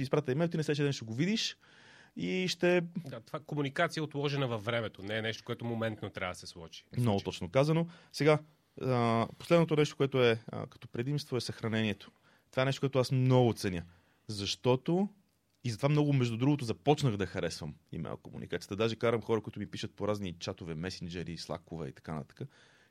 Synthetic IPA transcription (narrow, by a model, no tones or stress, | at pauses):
sispɾat̪əimɛlˠt̪inɛsɛʃɛd̪ɛnʃt̪ɛɡovid̪iʃ | iʃt̪ɛd̪at̪ovakomunikat̪sijəot̪lˠɔʒɛnəvɐfːɾɛmɛt̪onɛːnɛʃt̪o̥koɛt̪omomɛnt̪not̪ɾʲa̰vd̪əsɛslˠɔt͡ʃi̥mnɔɡot̪ɔt͡ʃnokazɐnosɛɡa | po̥slɛd̪not̪onɛʃt̪o̥koɛt̪oɛ̰kɐ̥t̪ɔpɾɛd̪imst̪voɛsɐxɾɐnɛniɛt̪o̥ | t̪ovaɛnɛʃt̪okoɛt̪ʊasmnɔɡʊt̪sɛnʲjə | zɐʃt̪ɔt̪o | izɐt̪ovamnɔɡʊmɛʒd̪ud̪ɾuɡot̪̬ozɐpɔt͡ʃnəxd̪ɐxɐɾɛsvəmḭmɛ̰lˠkomṵnikat̪ijət̪d̪aʒɛkaɾəmxɔɾəkʊit̪ʊmipiʃət̪̚poɾaznit͡ʃat̪ovɛmɛsind͡ʒɛɾislˠa̰kʊvɛ̰ḭt̪ɐ̥kanə̰t̪ḁkə